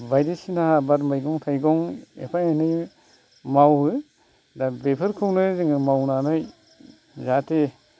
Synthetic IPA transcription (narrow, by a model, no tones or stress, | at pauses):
bajdisinaabatmajɡɔŋtʰajɡɔŋḛpʰajenɯj | mawɯ | dabepʰɯɾkʰɯwnɯzɯŋɯmawnanɯj | zate